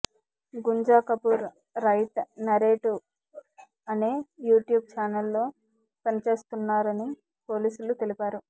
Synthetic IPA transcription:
ɡuɲd͡ʒaːkɐpuɾ | ɾɐjt̪nɐɾeːʈu | ɐneːjuːʈjuːb̚t͡ʃaːnɐlːo̞ː | pɐnɐt͡ʃe̞ːst̪unːaːɾɐni | po̞ːliːsulut̪e̞lipaːɾu

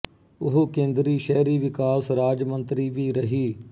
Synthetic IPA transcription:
ʊɦokẽːnd̪ɾiːʃɛːɾiːʋɪkaːsɾaːd͡ʒmə̃nt̪ɾiːʋiːɾəɦiː

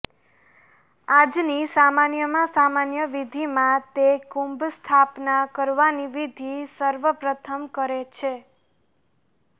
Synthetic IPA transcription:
ad͡ʒnisamanjəmãsamanjəʋid̪ʱimãt̪ekũmbst̪ʰapnakəɾʋaniʋid̪ʱisəɾʋəpɾət̪ʰəmkəɾet͡ʃʰe

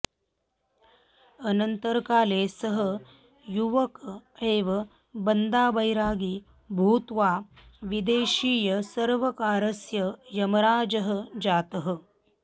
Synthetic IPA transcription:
ɐnɐnt̪ɐɾɐkaːleːsɐɦɐ̆ | juʋɐkeːʋɐ | bɐnd̪aːbɐjɾaːɡi | bʱuːt̪ʋaːʋid̪eːʃiːjɐsɐɾʋɐkaːɾɐsjɐjɐmɐɾaːd͡ʒɐɦɐ̆d͡ʒaːt̪ɐɦɐ̆

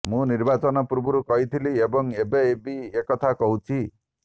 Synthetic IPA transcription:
mũniɾbat͡ʃɔnɔpuɾbuɾukɔɦit̪ʰiliebɔŋebeebiekɔt̪ʰakɔɦut͡ʃʰi

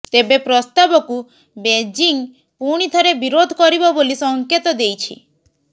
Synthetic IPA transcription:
t̪ebepɾɔst̪abɔku | bed͡ʒiŋ | puɽ̃it̪ʰɔɾebiɾod̪ʱɔkɔɾibɔbolisɔŋket̪ɔd̪ejt͡ʃʰḭ

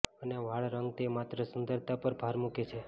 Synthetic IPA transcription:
əneʋaɭɾəŋɡ̚t̪emat̪ɾəsənd̪ʱəɾt̪ʰapəɾbʱaɾmuket͡ʃʰe

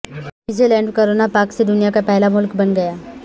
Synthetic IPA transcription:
izelɛ̃ːɳɖkoɾonapaːksed̪ʊnijakapɛɦlamʊlkbɐnɡɐjaː

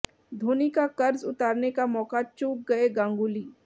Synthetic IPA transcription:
d̪ʱoːnikakɐɾzʊt̪aːɾnekamɔːkat͡ʃuːk̚ɡɐeɡãːŋɡuːliː

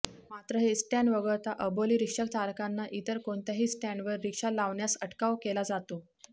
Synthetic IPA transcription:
mat̪ɾəɦesʈaɳʋəɡəɭt̪aʔəboliːɾikʂək̚t̪aɾkanːaʔit̪əɾkoɳt̪jaɦiːsʈaɳɖʋəɾːikʂalaʋɳjasəʈkaʋkelad͡zat̪o

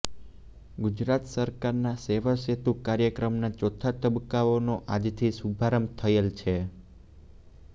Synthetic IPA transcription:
ɡud͡ʒɾat̪səɾkaɾnaseʋaset̪ukaɾjəkɾəmnat͡ʃɔt̪ʰat̪əbkːaonoʔad͡ʒt̪ʰisubʱaɾəmt̪ʰəelt͡ʃʰe

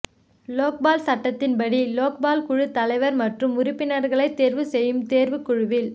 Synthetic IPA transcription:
loːk̚baːlsɐʈːɐt̪ːɪnpɐɽiloːk̚baːlkʊɻɯt̪ːɐlɐɪʋɐɾmɐʈrɯmʊɾʊpːɪnɐɾɣɐɭɐɪt̪ːeːɾʋɯsɛjːɯmt̪eːɾʋɯkʊɻʊʋɪl

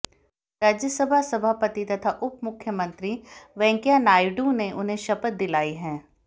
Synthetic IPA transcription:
ɾaːd͡ʒjəsəbʱasɐbʱaːpət̪it̪ɐt̪ʰaʔʊpmʊkʰːjəmɐ̃nt̪ɾiʋɛ̃ːŋkjanaːɪɖuneʔʊnɦẽʃɐpət̪̚d̪ɪlaːiɦɛ̃ː

